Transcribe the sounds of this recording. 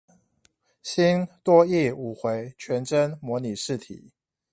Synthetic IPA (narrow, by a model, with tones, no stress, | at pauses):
ɕi˥nt̪wɔ˥i˥˩u˨˩xwe˧˥ɪt͡ɕʰɥɛ˧˥nʈ͡ʂə˦nmwɔ˧˥ni˨˩ʂɻ̩˥˨t̪ʰḭ˨˩˦